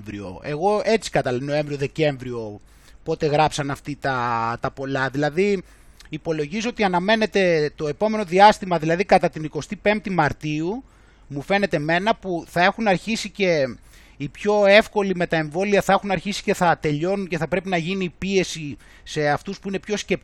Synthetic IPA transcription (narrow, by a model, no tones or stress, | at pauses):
vɾio̰e̞ɣo̞e̞t͡si̥kɐt̪ɐlno̞ẽ̞ɱvɾioðe̞ce̞ɱvɾio | po̞t̪e̞ɣɾɐpsɐnɐft̪it̪ɐt̪ɐpo̞lɐðilɐði | ipo̞lo̞ʝizoot̪iɐnɐme̞ne̞t̪e̞t̪o̞e̞po̞me̞no̞ðiɐst̪imɐðilɐðikɐt̪ɐt̪iniko̞st̪ipe̞mt̪imɐɾt̪iu | mufe̞ne̞t̪e̞me̞nɐpuθɐe̞xunɐɾçisice̞ | ipço̞e̞fko̞lime̞t̪ɐe̞ɱvo̞liɐθɐexunɐɾçisi̥ce̞θɐt̪e̞ʎo̞nunce̞θɐpɾe̞pinɐʝinipie̞si | se̞ɐft̪uspuinepço̞sce̞p